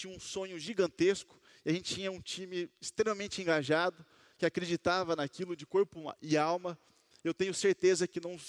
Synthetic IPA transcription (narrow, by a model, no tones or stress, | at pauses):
t͡ʃĩɲɐũsõɲʊʒiɡɐ̃nt̪eskʊ̥ | ɪaʒẽnt͡ʃɪt͡ʃĩɲɐũt͡ʃĩmɪːst̪ɾẽmɐmẽnt͡ʃɪẽŋɡaʒad̪ʊ | kɪakɾed͡ʒit̪avɐnakilʊd͡ʒɪkoɾpʊ̰ɪawmɐ | ewt̪ẽɲʊseɾt̪ezɐkɪnɐ̃w̃